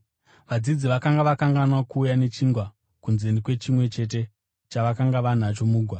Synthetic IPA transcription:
ʋad͡zid͡ziʋakaŋɡaʋakaŋɡanwakuːjane̞t͡ʃiːŋɡwa | kunzenikwe̞t͡ʃimwe̞t͡ʃe̞t̬e̞ | t͡ʃaʋakaŋɡaʋan̤at͡ʃo̞muːɡʱwa

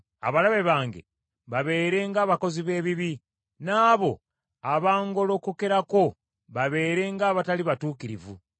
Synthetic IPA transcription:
a̰βalaβe̞βaːŋɡe̞̰ | βaβe̞ːɾe̞ŋɡaːβako̞ziβe̞ːβiβi | naːβo̞ | aβaːŋɡo̞lo̞ːkukeɾako̞ | βaβe̞ːɾe̞ŋɡaːβataliβatuːkiɾḭvṵ

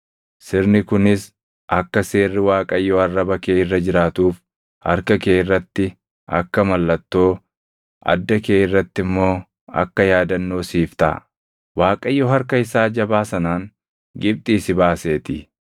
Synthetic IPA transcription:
sɪɾnɪkʊnɪs | ʔɐkːɐse̞ːrːɪwaːkʼɐjːɔɐrːɐbɐkeːɪrːɐd͡ʒɪɾaːt̪uːf | hɐ̰ɾkɐke̞ːɪrːɐt̪ːɪ | ɐ̰kːɐmɐlːɐt̪ːo̞ː | ʔɐ̰d̪ːɐkeːɪrːɐt̪ːɪmːo̞ː | ɐ̰kːɐjaːd̪ɐnːo̞ːsiːft̪a̰ | waːkʼɐjːɔɦɐɾkɐɪsaːd͡ʒɐbaːsɐnaːŋ | ɡɪb̚t̪ʼiːsɪbaːse̞ːt̪ɪ

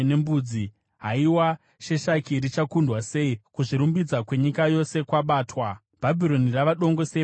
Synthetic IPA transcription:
ne̞mbuːd͡zi | ɦaiwa | ʃe̞ʃakiɾit͡ʃakundwase̞ikuʐiɾumbid͡zakwe̞ɲikajo̞se̞kwaɓaːtwa | b̥ʱabʱiɾo̞niraʋaɗo̞ŋɡo̞se

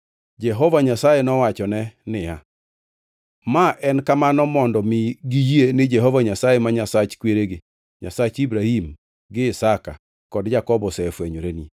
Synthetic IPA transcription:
d͡ʒɛɦɔvaɲasajenɔwat͡ʃɔnɛnɪja | maʔɛnkamanɔmɔndɔmɪɡijienɪd͡ʒɛɦɔvaɲasajemaɲasat͡ʃkweɾeɡɪ | ɲa̰sat͡ʃibɾahim | ɡɪɪsaka̰ | kɔdd͡ʒakɔbɔsɛfweɲoɾeni

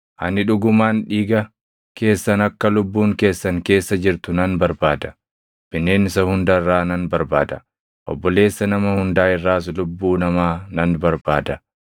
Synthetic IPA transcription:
ʔɐnːɪᶑʊɡʊmaːnᶑiːɡɐ | kʰe̞ːsːɐnɐkːɐlʊbːuːŋke̞ːsːɐŋke̞ːsːɐd͡ʒɪɾt̪ʊnɐnbɐɾbaːd̪ɐ̥ | b̥ɪnːe̞ːnɪsɐhʊnd̪ɐrːaːnɐnbɐɾba̰ːd̪ɐ̥ | ʔɔ̰bːɔle̞ːsːɐnɐmɐhʊnd̪aːɪrːaːs̬lʊbːuːnɐmaːnɐnbɐɾbaːd̪ɐ

